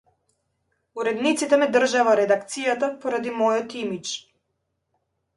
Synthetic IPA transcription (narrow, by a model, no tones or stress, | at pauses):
uɾɛd̪nit̪sit̪ɛmɛd̪r̩ʒavaɾɛd̪akt̪sijat̪apɔɾad̪imɔjɔt̪imit͡ʃ